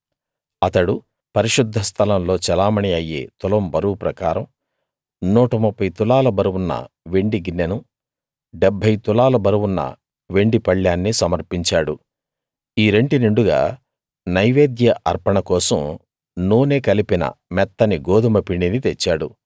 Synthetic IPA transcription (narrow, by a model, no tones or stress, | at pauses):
ɐt̪ɐɽu | pɐɾiʂud̪ʱːɐst̪ʰɐlɐmlo̞ːt͡ʃɛlaːmɐɳiɐjːḛːt̪ulɐmbɐɾuwpɾɐkaːɾɐm | nuːʈɐmupːɐjt̪ulaːlɐbɐɾuwunːɐ̰ | ʋe̞ɳɖiɡinːenu | ɖebʱːɐjt̪ulaːlɐbɐɾuwunːɐ̰ | ʋe̞ɳɖipɐɭːaːnːisɐmɐɾpiɲt͡ʃaːɽu | iːɾe̞ɳɖineɳɖuɡa̰ː | nɐjʋeːd̪jɐʔɐɾpɐɳɐkɔːsɐ̰m | nuːneːkɐlipinɐ̰mɛt̪ːɐniɡoːd̪umɐpiɳɖinit̪et͡ʃːaːɽṵ